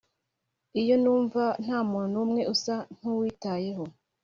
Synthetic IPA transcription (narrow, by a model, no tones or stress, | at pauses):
ijo̞nuːɱvan̥haːmuːnunumŋe̞ʔusan̥uwiːtaje̞ɦo̞